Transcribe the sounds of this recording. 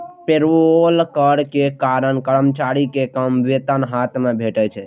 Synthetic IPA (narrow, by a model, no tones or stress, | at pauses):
peɾolkəɽkekaɾənkəɾəmt͡ʃaɾikekəmʋet̪ənɦat̪mebʱeʈɛt͡ʃʰɛ